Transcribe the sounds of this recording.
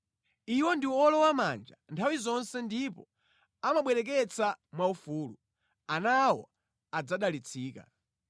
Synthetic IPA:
iwɔndiwɔlɔwama̰nd͡ʒantʰawizɔnsɛndipɔ | amaɓwɛɾɛk̬ɛt͡samwaufuːlu | anawɔ̰ | ad͡zaɗalit͡sʰiːka̰

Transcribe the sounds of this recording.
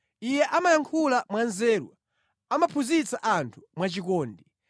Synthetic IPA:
ijɛʔamajaŋkʰulamwanzɛːɾwa̰ | amapʰuzit͡saʔantʰu̥mwat͡ʃikɔːndi

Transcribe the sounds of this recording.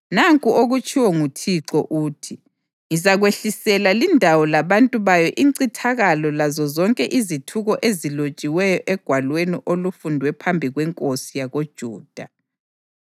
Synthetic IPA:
naŋkʼuoɣut͡ʃʰʼiwɔŋutʰiǁɔʔuːtʰi | izaɣweɬisɛlalindʱawɔlaβantʼuβajɔʔiǀitʰaɣalɔlazɔzɔŋkʼɛʔizitʰuɣɔʔezilot͡ʃʼiwɛjɔʔɛɡ̥ʱwalweniʔolufundʱwɛpʰambʱiɣwɛŋkʼosijaɣod̥ʒ̥ʱuːd̥ʱa

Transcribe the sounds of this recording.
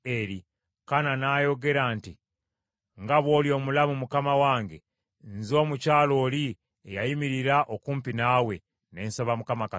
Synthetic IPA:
eɾi | kananajo̞ɡe̞ɾanti | ŋɡaβwo̞ːljo̞ːmulamumukamawaːŋɡe̞̰ | nzo̞ːmucaːlo̞ːli | ejajimiɾiɾaʔokuːmpinaːwe̞ | ne̞ːnsaβamukamaka

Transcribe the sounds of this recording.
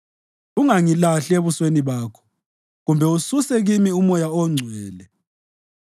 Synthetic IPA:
uŋaŋilaɬeβusweniβaːkʰɔ̥ | ɣumbʱɛususɛɣimiumɔjaɔŋ͡ǀʱwɛːlɛ

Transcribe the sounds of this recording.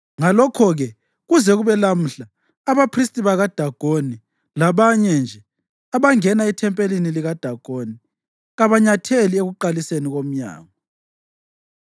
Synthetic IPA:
ŋalɔkʰɔɣɛ | ɣuzɛɣuβɛlam̩ɬaː | βapʰristʼiβaɣad̥ʱaɡ̥ʱoni | laβaɲɛnd͡ʒʱɛ | aβaŋɛnaitʰɛmpʼeliniliɣad̥ʱaɡ̥ʱoni | ɣaβaɲatʰelieɣuǃaliseniɣom̩ɲa̰ːŋɔ

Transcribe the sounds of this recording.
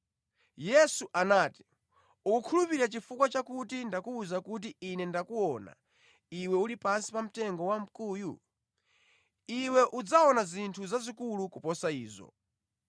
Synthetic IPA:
jɛsuʔanaːti̥ | ukukʰulupiɾiɾat͡ʃifukwat͡ʃakutindakuːzakut̬iinɛndakuɔna̰ | iwɛulipansi̥pam̩tɛŋɡɔwam̩kuːjṵ | iwɛʔud͡zaɔnazintʰuzazikulukupɔsaiːzɔ̰

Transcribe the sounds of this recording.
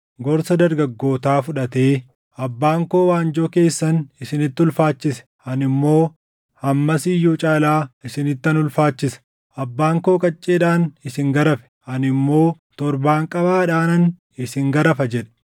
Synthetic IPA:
ɡɔɾsɐd̪ɐɾɡɐɡːo̞ːt̪aːfʊᶑɐt̪e̞ː | ɐbːaːŋko̞ːwaːnd͡ʒɔke̞ːsːɐnɪsɪnɪt̪ːʊlfaːt͡ʃːɪsɛ̥ | ɐnɪmːo̞ː | hɐmːɐsɪjːuːt͡ʃʼaːlaːɪsɪnɪt̪ːɐnʊlfaːt͡ʃːɪsɐ̥ | ʔɐbːaːŋko̞ːkʼɐt͡ʃʼːeːᶑaːnɪsɪŋɡɐɾɐfɛ̥hɐnɪmːo̞ː | t̪ɔɾbaːŋkʼɐbaːᶑaːnɐn | ɪsɪŋɡɐɾɐfɐd͡ʒɛᶑɛ̥

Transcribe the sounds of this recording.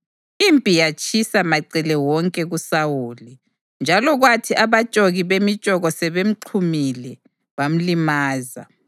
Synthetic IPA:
impʼijat͡ʃʼisamaǀilɛwɔŋkʼɛɣusawuːli | nd͡ʒʱalɔɣwatʰiʔaβad̥t͡ʃʒ̥ʼoɣiβemid̥ʒ̥ʼɔɣɔsɛβem̩ǃʰumilɛ | βam̩limaːza̰

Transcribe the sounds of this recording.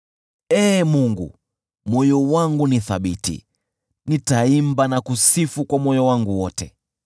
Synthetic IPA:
ɛːmuŋɡṵ | mwɔjɔwaŋɡuniθaɓitḭ | nitaimbanakusifukwamwɔjɔwaŋɡuwɔtɛ

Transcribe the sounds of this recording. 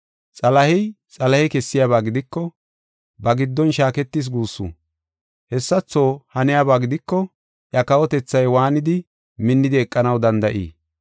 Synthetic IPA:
t͡sʼɐlɐhɛj | t͡sʼɐlɐhɛkɛsːɪjaːβaːɡɪd̪ɪkːɔ | bɐɡɪd̪ːɔnʃaːkɛt̪ːɪs̬ɡuːsːṵ | hɛsːɐt͡sːo̞ːhɐnɪjaːbaːɡɪd̪ɪkːɔ | ʔɐkɐwɔt̪ɛt͡sːɐjwaːnɪd̪ɪ | mɪnːɪd̪ɪɛkʼːɐnɐwd̪ɐnd̪ɐʔḭː

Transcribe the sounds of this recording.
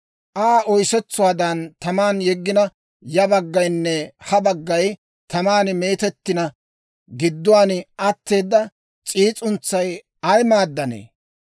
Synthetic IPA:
ʔaːʔɔjsɛt͡sːʊwaːd̪ɐnt̪ɐmaːnjɛɡːɪnɐ | jɐbɐɡːɐjnːɛhɐbɐɡːɐj | t̪ɐmaːnmeːt̪ɛt̪ːɪnɐ | ɡɪd̪ːʊwaːnʔɐt̪ːe̞ːd̪ːɐ | t͡sʼiːt͡sʼʊnt͡sːɐj | ɐjmaːd̪ːɐnḛː

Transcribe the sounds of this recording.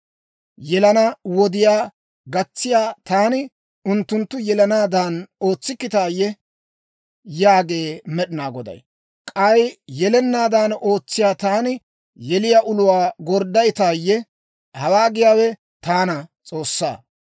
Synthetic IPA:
jɛlɐnɐwɔd̪ɪjaː | ɡɐt͡sːɪjaːt̪aːnɪ | ʊnt̪ːʊnt̪ːʊjɛlɐnaːd̪aːnoːt͡sːɪkːɪt̪aːjːɛ | jaːɡe̞ːmɛɗɪnaːɡɔd̪ɐ̰j | kʼɐjjɛlɛnːaːd̪aːno̞ːt͡sːɪjaːt̪aːnɪ | jɛlɪjaʔʊlʊwaːɡɔɾd̪ɐjɪt̪aːjːɛ | hɐwaːɡɪjaːwɛ | t̪aːnɐt͡sʼo̞ːsːa̰ː

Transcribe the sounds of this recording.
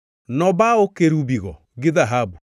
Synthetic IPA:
nɔbaokeɾubiɣɔ | ɡeðaɦabu

